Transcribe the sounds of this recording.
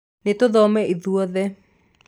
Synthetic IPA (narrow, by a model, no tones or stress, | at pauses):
net̪oðɔmɛiðuɔðɛ